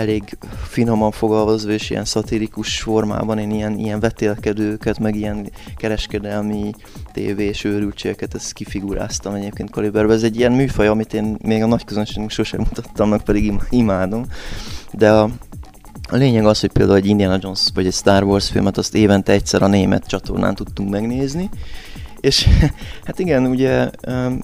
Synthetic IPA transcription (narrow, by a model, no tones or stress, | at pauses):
ɛleːɡfino̞mɒɱfo̞ɡɒlvɒzoːeːʃḭjɛ̰nsɒt̪ilikuʃfo̞rma̰ːbɒneːnijɛnḭjɛɱvɛt̪eːlkɛd̪øːkɛt̪mɛɡijɛnkɛɾɛʃkɛd̪ɛlmi | t̪ḛːveːeːʃøːɾylt͡ʃekɛt̪ɛskifiɡuɾa̰ːst̪ɒmɛɟeːp̚keːnt̪kolibɛrbɛɛzɛɟːijɛnmyːfɒjɒɒmit̪eːnmeːɡɒnɒckøzønʃeːɡnyŋkʃoʃɛ̰mut̪ɒt̪ːɒmnɒk̚pɛd̪iɡimimaːd̪o̞md̪ɛɒ | ɒleːɲɛɡɒsho̞c̚ʲpeːld̪aːulɛɟind̪iɛnɒd͡ʒo̞nsvɒɟɛcst̪aːrvorsfḭlmɛt̪ɒst̪eːvɛnt̪ɛɛc̚t̪sɛɾɒneːmɛ̰t̪t͡ʃɒt̪o̞̰rna̰ːnt̪ut̪ːuŋkmɛɡneːzni | eːʃhat̪iɡɛnuɟɛø